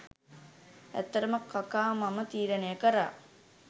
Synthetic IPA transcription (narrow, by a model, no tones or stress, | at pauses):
æ̰t̪ːəɾəməkakaːmamət̪iːɾənejəkəɾa̰ː